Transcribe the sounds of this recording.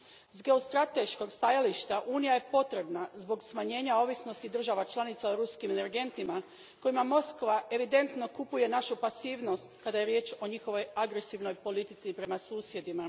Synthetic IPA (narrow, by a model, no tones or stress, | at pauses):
zɡe̞ost̪ɾat̪e̞ʃko̞ɡst̪ajaliʃt̪aʔuːnijaje̞po̞t̪ɾe̞bnazbo̞ɡsmaɲe̞ːɲao̞ʋisnost̪id̪r̩ʒaʋat͡ʃlˠanit̪saoɾuskimeneɾɡe̞nt̪ima | ko̞jimamo̞skʋaʔe̞ʋid̪e̞nt̪no̞kupuje̞naʃupasiːʋno̞st̪kad̪aje̞ɾje̞ːt͡ʃo̞ɲixo̞ʋo̞jaɡɾe̞siʋno̞jpo̞lit̪it̪sipɾe̞masuːsje̞d̪ima